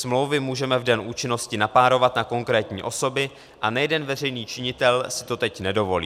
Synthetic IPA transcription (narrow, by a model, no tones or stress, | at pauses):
smlo̞wvɪmuːʒɛmɛvdɛnʔuːt͡ʃɪno̞scɪnapaːɾo̞vat̪nako̞ŋkɾɛːt̪ɲḭːʔo̞so̞bɪ | ʔanajɛdɛnvɛr̝ɛjniːt͡ʃɪɲɪt̪ɛlsɪ̥t̪o̞t̪ɛcnɛdo̞vo̞lḭː